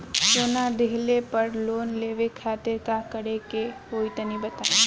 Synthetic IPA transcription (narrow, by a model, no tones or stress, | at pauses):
soːnad̪eɦlepəɾloːnleːʋekʰaːt̪ɪɾkakəɾeke | oːit̪ənĩbət̪a